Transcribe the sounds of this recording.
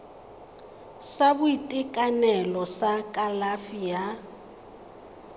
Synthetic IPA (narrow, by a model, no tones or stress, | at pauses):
sabʊitʼɪkʼanɛlɔsakʼalafia